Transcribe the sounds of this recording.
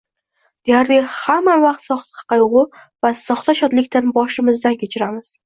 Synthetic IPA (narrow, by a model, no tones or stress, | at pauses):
d̪̥ejaɾlɪhamːavaqt̪sɒχt̪ḁɑ̥qɑjʊʁʊ | vasɒχt̪aʃɒt̪lɪkʲt̪anbɒʃɪmɪzd̪ankʲʰet͡ʃʰɪɾamɪz̥